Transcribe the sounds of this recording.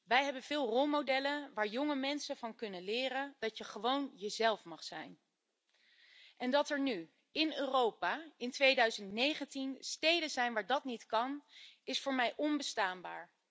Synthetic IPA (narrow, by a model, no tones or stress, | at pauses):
ʋɛjɦɛbənv̥ɪːlˠrolˠmowdɛləʋaːɹjʊŋəmɛnsəv̥ɑnkɵnənlɪːrəndɑjəχəʋownjəzɛlˠfmɑχsɛ̰jn | ɛndɑtɛɹny | ɪnøːrowpaːɪntʋejdœɥzəntnejχəntinstejdənzɛjnʋaːɹdɑtnitkɑnɪsfʊːɹmɛjʔɔnbəstaːnba̰ːɹ